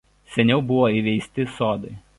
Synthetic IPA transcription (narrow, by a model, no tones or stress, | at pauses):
sʲɛnʲɛʊbʊʋoːiːˑʋʲɛɪsʲt̪ʲɪsoːd̪ɐɪ